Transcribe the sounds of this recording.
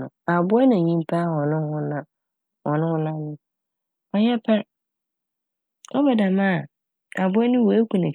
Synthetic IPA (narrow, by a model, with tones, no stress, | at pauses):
ʊ̃˨a˨bʊ˦ɛ˦nã˨ɲĩ˦m˦pʰa˦hɔ˨nʊ̃˦hʊ̃˦nã˨ | wɔ˨nʊ̃˦la˦nʊ̃˦ | ɔ˨jɛ˦pʰɛ˦ɾ | ɔ˦bɛ˨da˨mã˦˨ | a˨bʊ˦ɛ˦nʊ̃˦wo˨˦kʷũ˨nã˨